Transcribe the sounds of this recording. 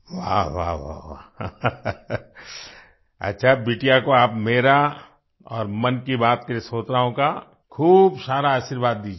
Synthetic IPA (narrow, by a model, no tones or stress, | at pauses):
ʋa̰ʋa̰ːʋa̰ʋaː | ɐ̰tːʃʰabiːʈijakoaːpmeːɾa | ɔːɾmɐnkibaːt̪̚kɐɾesoːt̪ɾaːõka | kʰuːbsaːɾaaːʃiɾʋaːd̪ːiːd͡ʒ